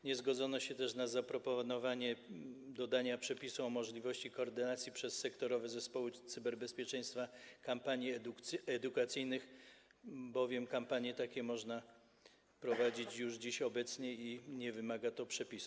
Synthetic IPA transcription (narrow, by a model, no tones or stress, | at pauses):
ɲɛzɡɔd̪zɔnɔɕɛt̪ɛʂnazapɾɔpɔnɔvaɲɛd̪ɔd̪aɲapʂɛpʲisuɔmɔʐlʲivɔɕt͡ɕikɔːɾd̪ɘnat̪sʲjipʂɛsːɛkt̪ɔɾɔvɛzɛspɔwɘt̪sɘbɛɾbɛspʲjɛt͡ʂɛj̃st̪fakampaɲjiɛd̪ukat̪sɘjnɘx | bɔvʲjɛmkampaɲjɛt̪akʲɛmɔʐna | pɾɔvad͡ʑit͡ɕjuʐd͡ʑiɕɔbɛt̪sɲɛiɲɛvɘmaɡat̪ɔpʂɛpʲisu